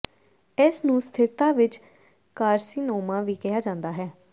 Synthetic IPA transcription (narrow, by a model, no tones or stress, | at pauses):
ɪsnũːst̪ʰɪɾt̪ãːʋɪt͡ʃ | kaːɾsiːnoːmãːʋiːkɪjaːd͡ʒãːnd̪aːɦɛː